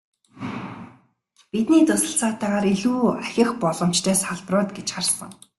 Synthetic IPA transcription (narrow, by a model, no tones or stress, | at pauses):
pit̪niːt͡s̪ʊsə̆ɬt͡saːt̪æːʁaːɾiɮuːæxʲɪ̆xpɔɮɞ̆m̥t͡ɕt̪ʰœːsaɮprʊːt̪ɡet͡ɕχarsə̰̆ŋ